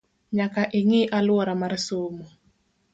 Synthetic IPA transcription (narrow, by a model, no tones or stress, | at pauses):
ɲakaʔɪŋɪʔalwɔɾamaɾsomo